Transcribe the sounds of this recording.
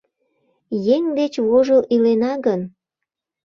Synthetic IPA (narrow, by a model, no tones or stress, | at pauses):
jeŋd̪et͡ɕβoʒəlʔilenɑɣən